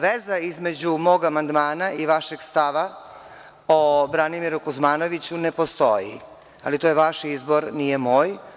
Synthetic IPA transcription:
ʋezaizme̞d͡ʑumo̞ːɡamand̪maːnaiʋaʃeɡst̪aʋa | obɾanimiɾukuzmaːno̞ʋit͡ɕune̞po̞st̪o̞jḭ | alit̪ojeʋaʃizbo̞ɾnijemo̞ːj

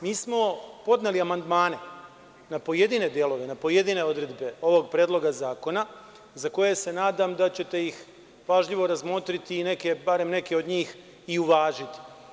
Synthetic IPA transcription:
miːsmo̞po̞d̪ne̞liamand̪maːne̞ | napo̞je̞d̪ine̞d̪je̞lo̞ʋe̞napoje̞d̪ine̞o̞d̪ɾe̞d̪be̞o̞ʋo̞ɡ̚pɾeːd̪lˠo̞ɡazaːko̞na | zako̞je̞se̞naːd̪amd̪at͡ɕe̞t̪e̞jix | paːʒʎiʋo̞ɾazmo̞t̪ɾit̪iːne̞ke̞baɾe̞mne̞ke̞o̞d̪ɲiːx | iuʋaːʒit̪i̥

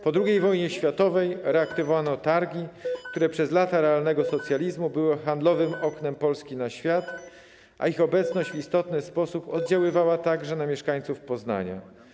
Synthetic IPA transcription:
pɔd̪ɾuɡʲejvɔjɲɛɕfʲjat̪ɔvɛjɾɛakt̪ɨvɔvanɔt̪aɾɡʲikt̪uɾɛpʂɛzlat̪aɾɛalnɛɡɔsɔt̪sʲjalʲizmubɘwɘxand̪lɔvɘmɔknɛmpɔlskʲinaɕfʲjat̪ | ʔa̰ixɔbɛt̪snɔɕd͡ʑvist̪ɔt̪nɘspɔsupɔd̪̚d͡ʑawɘvawat̪aɡʐɛnamʲjɛʂkaɲt̪sufpɔzna̰ɲa̰

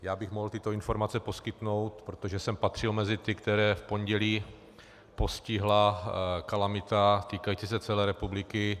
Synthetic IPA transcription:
jaːbɪxmoɦlt̪ɪt̪o̞ɪnfo̞ɾmat͡sɛpo̞skɪt̪no̞wt̪pɾot̪oʒɛsɛmpat̪r̝̥ɪlmɛzɪt̪ɪkt̪ɛɾɛːfpo̞ɲɟɛliː | po̞scɪɦlakalamɪt̪at̪iːkajit͡sɪsɛt͡sɛlɛːɾɛpublɪkɪ

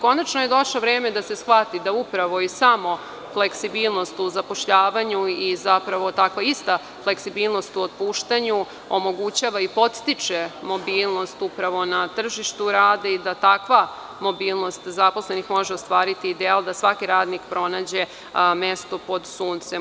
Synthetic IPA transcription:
ko̞nat͡ʃnoje̞d̪o̞ʃloʋɾeːme̞d̪asesxʋat̪id̪aupɾaʋo̞isamo̞ | fle̞ksibiːlˠno̞st̪uzapo̞ʃʎaːʋaɲuizapɾaʋo̞t̪akʋaist̪a | fle̞ksibiːlˠnost̪uot̪̚puːʃt̪aɲu | omo̞ɡut͡ɕaʋaipo̞t̪st̪it͡ʃemo̞biːlˠno̞st̪upɾaʋo̞nat̪r̩ʒiʃt̪uɾaːd̪eid̪at̪akʋa | mo̞biːlˠnost̪zaposle̞nixmo̞ʒeost̪ʋaːɾit̪iːd̪eald̪asʋakiɾaːd̪nikpɾo̞naːd͡ʑe | mest̪o̞po̞d̪suːnt̪se

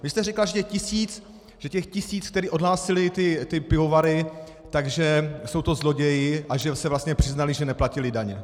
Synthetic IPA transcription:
vɪst̪ɛrɛklaʒɛcɛxcɪsiːt͡s | ʒ̥ɛcɛxcɪsiːt͡skt̪ɛɾiːʔo̞dlaːsɪlɪt̪ɪt̪ɪpɪovaɾɪ | t̪aɡʒɛso̞wt̪o̞zlo̞ɟɛjɪʔaʒɛsɛvlast̪ɲɛpr̥ɪznalɪʒɛnɛplacɪlɪdaɲɛ

